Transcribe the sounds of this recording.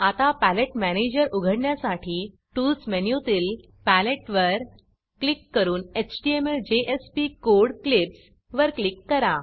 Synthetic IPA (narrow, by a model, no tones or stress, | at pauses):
at̪apæleʈmæned͡ʑəɾuɡʱəɽɳjasaʈʰiː | ʈulsmenjut̪il | pæleʈʋəɾ | klikːəɾuːnet͡ɕʈiemeɾd͡ʑeʔespikoɾɽklips | ʋəɾklikːəɾa